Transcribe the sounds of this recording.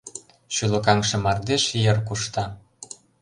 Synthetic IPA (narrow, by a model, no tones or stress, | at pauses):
ʃylə̆kɑŋʃɤ̆mɑrd̪eʃjərkuʃt̪ɑ